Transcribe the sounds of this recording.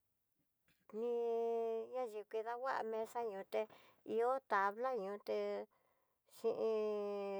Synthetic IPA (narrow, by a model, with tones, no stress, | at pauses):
nĩ˧ | ɲã˦ʒi˨˧kʷi˧ða˧wa˦ʔa̰˧mẽ˧sa˦ɲũ˨˧t̪e˧ | i˧o˦t̪a˨βla˦ɲũ˧t̪e˧ | ʃĩ˧ʔĩ˧